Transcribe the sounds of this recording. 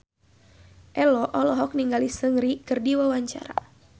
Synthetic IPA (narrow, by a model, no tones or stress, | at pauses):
ʔɛlɔʔɔlɔɦɔk̚niŋɡalisəŋɾikɨrdiwawaɲt͡ʃa̰ɾa̰